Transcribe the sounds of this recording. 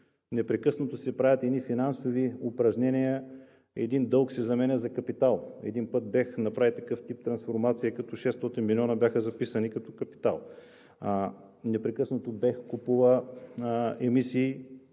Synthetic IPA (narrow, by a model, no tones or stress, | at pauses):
nɛpɾɛkɤsnot̪osɛpɾavʲət̪ɛd̪nifinansoviʊpɾɐʒnɛnijə | ɛ̰d̪ind̪ɤlˠksɛzɐmɛnʲəzɐkɐpit̪alˠɛ̰d̪inpɤt̪̚bɛxnɐpɾavit̪ɐkɤft̪ip̚t̪ɾɐnsfoɾmat̪sijəkɐt̪ɔʃɛst̪ɔt̪inmilʲiɔnɐbjaxəzɐpisɐnikɐt̪ɔkɐpi̥t̪alˠ | nɛpɾɛkɤsnot̪obɛxkupuvˠə | ɛmisiː